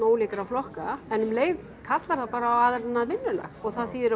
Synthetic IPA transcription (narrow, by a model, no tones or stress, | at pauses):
oːwliːkaɾawflɔhkaɛnʏmleːjð | kʰat̪laɾ̥θaðpaːɾaːwaðɪɾanːaðvɪnːʏlɛ̰xɔɣθaðsiːðɪɾ